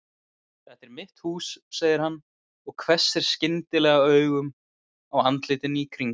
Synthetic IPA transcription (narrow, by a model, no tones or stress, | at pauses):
θɛht̪ɛɾmɪht̪huːsːɛɣðɪɾ̥ɦanː | ɔɣkʰvɛ̥sːɛɾ̥scɪnt̪ɪlɛːɣaœːɥɣʏm | awant̪lɪːt̪ɪnikʰɾiŋ